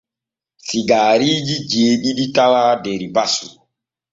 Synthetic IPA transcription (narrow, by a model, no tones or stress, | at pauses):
siɡaːɾid͡ʒid͡ʒeːɗiɗitawadeɾibasu